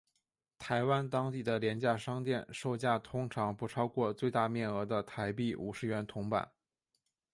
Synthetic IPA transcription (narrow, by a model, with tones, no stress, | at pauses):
t̪ʰa˧˥ɪwa˥nt̪ɑ˥ŋt̪i˥˩d̪ə˩ljɛ˧˥nt͡ɕja˥˩ʂɑ˥ŋt̪jɛ˥˧nʂo˥˧ʊt͡ɕja˥˩t̪ʰʊ˥ŋʈ͡ʂʰɑ˧˥ŋpu˧˥ʈ͡ʂʰɑ˥ʊkwɔ˥˧t͡swe˥˧ɪt̪a˥˧mjɛ˥˩nɤ˧˥d̪ə˧t̪ʰa˧˥ɪpi˥˩ʔṵ˨˩ʂɻ̩˥˩ɥɛ˧˥nt̪ʰʊ˧˥ŋpa̰˨˩˦n